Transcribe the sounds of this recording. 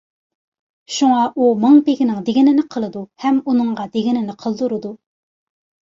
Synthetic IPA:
ʃuŋɑʔumɑŋpeɡʲinɪŋd̪eɡʲinɪnɪqʰəlˠɨd̪uhɛmunɨŋʁɑd̪eɡʲinɪnɪqʰəlˠd̪uɾɨd̪u

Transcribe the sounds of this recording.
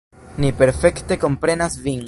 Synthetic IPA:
nipe̞ɾfe̞kte̞ko̞mpɾe̞nasvin

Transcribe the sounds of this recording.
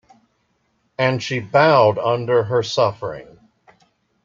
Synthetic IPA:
ɨ̃nʃibaʊɾʌ̃ndə˞ə˞sʌfə˞ɪ̰̃ŋ

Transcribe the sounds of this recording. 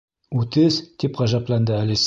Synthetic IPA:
ʉt̪ɘst̪ipʁɑʒɑplˠɑnd̪ɤælʲis

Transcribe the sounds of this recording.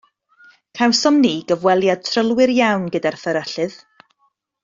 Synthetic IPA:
kʰawsɔmniːɡəvwɛlˠjad̚tʰrəlˠwɪɾjawnɡədarθəɾəɬɨð̥

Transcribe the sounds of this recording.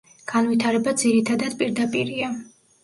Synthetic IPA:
ɡ̥anvit̪ʰaɾɛbad̪ziɾit̪ʰad̪ad̪̥pʼiɾd̪apʼiɾia

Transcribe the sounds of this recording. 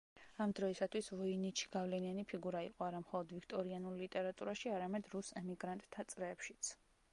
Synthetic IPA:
amd̪ɾɔisat̪ʰwisvɔinit͡ʃʰi̥ɡ̥avlɛnianipʰiɡuɾaḭqʼɔaɾamχɔlˠɔd̪vikʰt̪ʼɔɾianulˠlit̪ʼɛɾat̪ʼuɾaʃiaɾamɛd̪ɾusɛmiɡɾant̪ʼt̪ʰːat̪sʼɾɛːpʃi̥t̪sʰ

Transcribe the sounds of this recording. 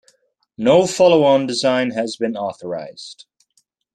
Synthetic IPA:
noʊfɑlˠoʊə̃ndɪzãɪ̃nəzbɨ̃nɔˑθəɹa̰ɪz̥d̥

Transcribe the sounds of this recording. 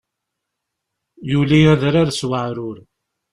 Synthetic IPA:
julijæðɾaɾswəʕɾʊɾ

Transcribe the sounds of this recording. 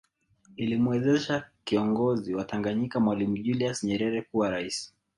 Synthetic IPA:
ilimuwɛzɛʃakiɔŋɡɔziwataŋɡaɲikamwalimuʄuliasɲɛɾɛɾɛkuwaɾaisi̥

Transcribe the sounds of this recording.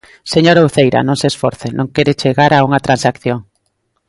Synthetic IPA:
seɲoɾauθejɾa̰nõŋseːsfoɾθenõŋkeɾet͡ʃeɣaɾauŋat̪ɾansakθjoŋ

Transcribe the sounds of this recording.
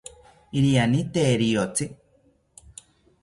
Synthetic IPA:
iɾianit̪eːɾiot͡si

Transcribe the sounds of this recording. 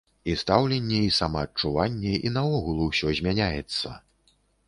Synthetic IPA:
ist̪awlʲɛnʲːɛisamɐːt͡ʂuvanʲːɛḭnɐɔɣulˠuwsʲɔzʲmʲanʲajɛt̪sːɐ̰

